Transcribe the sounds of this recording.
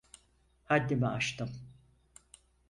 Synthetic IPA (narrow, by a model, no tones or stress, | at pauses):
had̪ːimɛaʃt̪ɯm